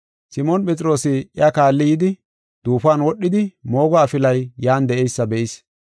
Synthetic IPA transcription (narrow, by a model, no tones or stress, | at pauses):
sɪmɔnpʼɛt͡sʼɪɾo̞ːsɪjakaːlːɪjɪd̪ɪ | d̪̥uːfaːnwɔɗːɪd̪ɪmo̞ːɡɔːfɪlɐjjaːnd̪ɛʔɛjsːɐbɛʔɪs